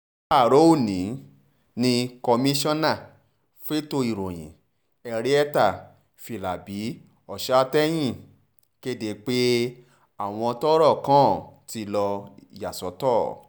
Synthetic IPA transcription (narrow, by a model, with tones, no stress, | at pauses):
a˦˨ɾo˦o˦˨nĩ˨˦ | nĩ˧kɔ˧mĩ˦ʃɔ̃˦nã˦˨ | fe˦to˧i˨ɾõ̰˨j̃ḭ̃˨ | ɛ˧ɾe˦ɛ˦ta˦˨ | fi˨la˨bi˨˦ | ɔ˨ʃa˦tɛ˦j̃ĩ˦˨ | ke˦de˨˦k͡pe˦ | a˦˨w̃ɔ̃˧tɔ˦ɾɔ˦˨kã˦ti˧lɔ˧˨ja˨sɔ˨˦tɔː˦˨